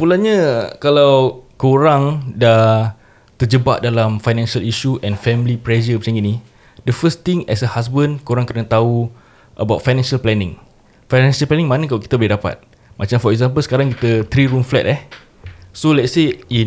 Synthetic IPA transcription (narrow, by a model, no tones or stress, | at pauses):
pulanɲãkalawkoɾaŋda | t̪ərd͡ʒəbaʔdalamfajnɛ̃nʃəliʃuʔɛ̃nfɛmlipɾɛd͡ʒəpət͡ʃãŋɡinĩ | dəfəst̪ĩŋɛ̰səhas̬bənkoɾaŋkərnat̪au | ʔəbawt̚fajnɛ̃nʃalplɛnɪ̰̃ŋ | fajnɛ̃nʃəlplɛnĩŋmãnakalaki̥t̪əboidapa̰t̪̚ | mãt͡ʃamfɔɛk̚zãmpəlsə̥kaɾaŋkit̪ət̪ɾiɾumflɛ̰t̪̚ɛh | solɛt̚sein